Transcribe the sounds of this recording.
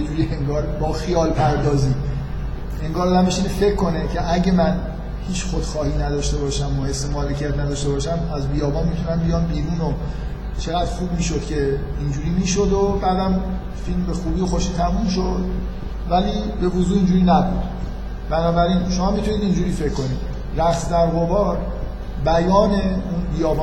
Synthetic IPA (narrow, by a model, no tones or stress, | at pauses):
jed͡ʒuːɾieŋɡɒːɾbɒːxijɒːlpʰæɾd̪ɒːziː | e̞ŋɡɒːɾːd̪æmbeʃinefe̞cʰːonecʰe̞ʔæɟe̞mæn | hiːt͡ʃʰxod̪̥xɒːhiːnæd̪ɒːʃt̪e̞bɒːʃæmoe̞sːemɒːlecʰijæt̪næd̪ɒːʃt̪e̞bɒːʃæmæzbiːjɒːbɒːnmit̪ʰunæmbijɒːnbiːɾuːno | t͡ʃʰeɣæd̪xuːb̚miːʃo̞d̪̥cʲʰe̞ | ind͡ʒuːɾiːmiːʃod̪obæːd̪æm | filmbexuːbiːoxoʃiːt̪ʰæmumʃ̬od̪ | væliːbe̞vozuːiːnd͡ʒuːɾiːnæbud̪̥ | b̥ænɒːbæɾinʃo̞mɒːmit̪ʰuniːd̪ind͡ʒuːɾiːfe̞kʰːo̞niːd̪ | ɾæχsd̪æɾɣo̞vɒːɾ | bæjɒːne̞unbijɒːvɒː